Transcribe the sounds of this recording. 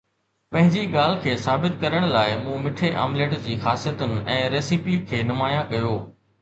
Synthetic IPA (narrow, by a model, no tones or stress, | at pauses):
pɐ̃ɦɪ̃ɲd͡ʑiɡaːl̤ɪkʰeːsaːbɪt̪kɐɾəɽ̃laːɪmũːmɪʈʰeʔa̰ːmleːʈd͡ʑiːxaːsijət̪ʊnɪ̆ʔɛ̃ːɾeːsiːpikʰeːnʊmaːjãkɐjoː